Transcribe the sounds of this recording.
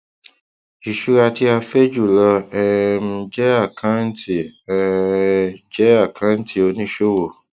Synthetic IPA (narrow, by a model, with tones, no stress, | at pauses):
i˨ʃu˦ɾa˧ti˦a˧fe˦d͡ʒu˦˨lɔ˧ɛ˧m̩̃˧˦d͡ʒɛ˦a˦˨kʰã˦n˦ti˨ | d͡ʒɛ˦a˦˨kʰã˦n̩˦tʰi˦o˧nĩ˦ʃo˦wo˦˨